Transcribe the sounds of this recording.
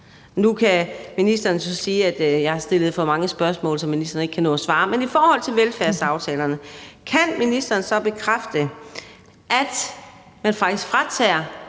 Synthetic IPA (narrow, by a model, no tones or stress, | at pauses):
nukʰæminisd̥ɐːnəsɒ̽siːæd̥jɑhɑ̈sd̥e̝lð̞̩ˠfɒ̽mɑ̈ŋəsb̥ɶɐsmɔ̰ːlsɒ̽minisd̥ɐne̝ɡ̥kʰænɔ̰̽ːæsʋɑ̈ːmenifɒːhɒ̽l̰t͡sʰe̝lʋelfæɐ̰sɑ̈ʊt͡sʰɛ̰ːlɐnəkʰænminisd̥ɐːn̩sɒ̽b̥e̝kʰʁafd̥ə | ʔæd̥ | mænfɑ̈ɡ̥̚d̥isɡ̥fʁat͡sʰɛ̰ɐ